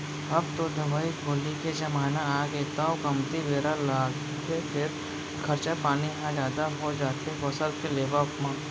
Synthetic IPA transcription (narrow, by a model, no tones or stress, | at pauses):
ɐb̚t̪od̪ɐʋaːiɡʱoːliked͡ʒɐmaːnaaːɡeːt̪aokɐmt̪iʋeːɾalaːɡ | k̪ʰepʰɪɾ | kʰɐɾt͡ʃapaːniɦãd͡ʒjaːd̪aɦod͡ʒaːt̪ebosəlkeleːʋaʊpmãː